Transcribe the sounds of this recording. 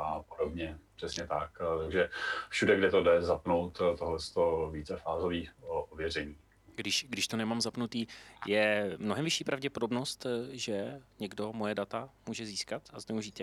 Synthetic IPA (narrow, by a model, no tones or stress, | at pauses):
ʔapodobɲɛpr̝̥ɛsɲɛt̪akt̪aɡʒɛfʃudɛɡdɪt̪odɛzapnowt̪t̪oɦlɛst̪oviːt͡sɛfaːzoviːʔovjɛr̝ɛɲiː | ɡdɪʃɡdɪʃt̪onɛmaːmzapnut̪iːjɛmno̞ɦɛmvɪʃiːpɾavɟɛpodo̞bno̞st̪ʒɛɲɛɡdo̞mojɛdat̪amuːʒɛziːskat̪aznɛuʒiːt̪ɛ